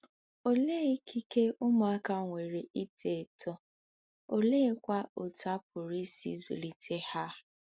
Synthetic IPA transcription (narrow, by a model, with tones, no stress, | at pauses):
o˦le˦i˦kʰi˦ke˦ʊ˦ma˨a˦ka˦˨ŋʷe˨ɾe˨i˦tʰe˨tʰɔ˦ | o˦le˦kʷa˦o˨ta˦p̚ʊ˨ɾi˦sḭ˦zṵ˨li˨tʰe˦ha˦